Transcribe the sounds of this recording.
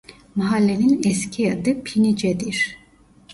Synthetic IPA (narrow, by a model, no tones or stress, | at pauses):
maɦalːeninɛscʰijad̪ɯpʰinid͡ʒɛd̪iɾ̥